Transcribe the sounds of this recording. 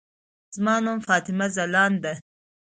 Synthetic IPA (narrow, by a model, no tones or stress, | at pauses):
z̥mɑːnomfɑːt̪ɪmazɐlɑːnd̪a